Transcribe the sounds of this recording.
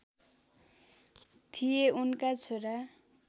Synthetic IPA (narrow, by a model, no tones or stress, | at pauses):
t̪ʰijeunkat͡sʰoɾa